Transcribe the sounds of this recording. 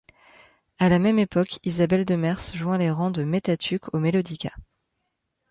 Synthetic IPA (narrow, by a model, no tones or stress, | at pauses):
alamɛmepɔkizabɛld̪əmɛʁsʒwɛ̃leʁɑ̃d̪əmet̪at̪ʰykʰomelod̪ikʲa̰